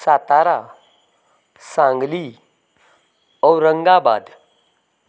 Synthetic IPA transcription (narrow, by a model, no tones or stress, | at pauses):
sat̪aɾa | sãŋɡli | ɔwɾəŋɡaba̰d̪